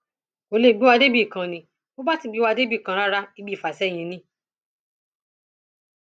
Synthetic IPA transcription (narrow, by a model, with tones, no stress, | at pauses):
o˧˦le˧˨ɡ͡bi˨˦wa˧de˦bi˦˨kã˨nĩ˨ | o˦ba˦ti˧˨ɡ͡bi˨˦wa˧de˦bi˦˨kã˨˦ɾa˦ɾa˦i˧˦bi˦˨fa˨sɛ˦˨j̃ĩ˧nĩ˧˦